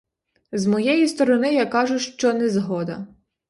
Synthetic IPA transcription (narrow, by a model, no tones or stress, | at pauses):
zmɔjɛjist̪ɔɾɔnɪjɑkɑʒʊʃt͡ʃɔnɛzɦɔd̪ɐ